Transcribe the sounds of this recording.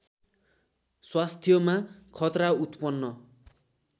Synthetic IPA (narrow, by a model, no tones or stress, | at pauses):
swast̪ʰjʌmakʰʌt̪raut̪pʌnːʌ